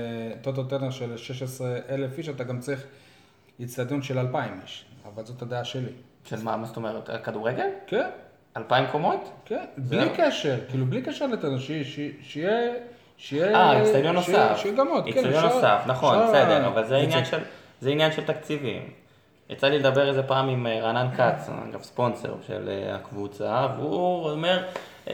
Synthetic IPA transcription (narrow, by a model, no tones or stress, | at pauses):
t̪ot̪̬ot̪eʁneʃelʃeʃesʁeʔelefiʃat̪aɡamt͡saʁiχ | jit͡sad̪jonʃe̞lalpaimeʃa̰valzo̞t̪ad̪eaʃeli | ʃelmamast̪omeʁet̪kad̪uʁeɡelken | alpaimkomo̞t̪kenblikeʃeʁkiːlublikeʃeʁlet̪anʃiʃeʃeje | ʃejeaisailjonoʃafʃejeɡamot̪inonosafnaχo̞nbesedeʁavalzeinjanʃel | zeinjanʃelt̪akt͡sivḭm | ja̰t͡saliled̪abe̞ʁezepaːmimʁanankat͡sa̰ɡa̰vspo̞nsḛʁʃḛlḛa̰kvut͡savuomeʁ